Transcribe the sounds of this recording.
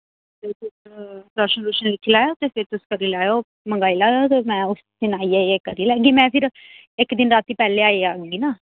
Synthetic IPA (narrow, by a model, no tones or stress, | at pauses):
pɪt̪ʊsɾɔːʃənɾuʃənlɪkʰːilaːjoːt̪eːfʰɪɾt̪ʊskəɾiːlaːjoː | məŋɡaːiːlaːjoːt̪eːmɛ̃ːʊsd̪ɪnaːiːaːeːkəɾiːlɛːɡiːmɛ̃ːpʰɪɾ | ɪkd̪ɪnɾaːt̪iːpɛːleːaːiːaːɡ̃ːɡiːnaː